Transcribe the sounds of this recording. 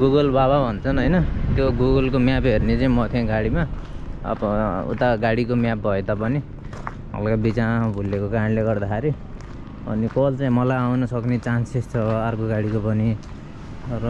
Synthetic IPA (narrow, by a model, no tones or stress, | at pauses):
ɡuɡʌlbababʱʌnt͡sʰʌnɦʌjnʌt̪joɡuɡʌlkomjapɦernet͡saĩmʌt̪ʰĩɡaɽimaʌ̰bṵt̪aɡaɽikomjap̚bʱʌet̪ʌpʌni | ʌ̰lkabit͡sabʱulːekokaɾʌnleɡʌrd̪akʰaɾi | ʌ̰nikolt͡saĩmʌlajawnʌsʌknet͡sansest͡sʰʌarkoɡaɽikopʌni | rʌ